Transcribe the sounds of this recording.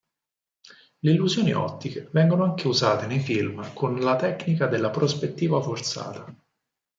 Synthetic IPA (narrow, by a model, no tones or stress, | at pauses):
leilːuzjoːnḭʔɔ̰t̪ːikevɛŋɡonoaŋkeuzaːt̪enejfilmkʰonlat̪ɛknikad̪elːapɾospet̪ːiːvafort̪sa̰ːt̪a